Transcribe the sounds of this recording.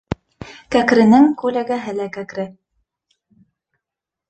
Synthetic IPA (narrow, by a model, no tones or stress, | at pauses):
kækɾɘ̆nɘŋkʉlæɡæɦɘlækækɾɘ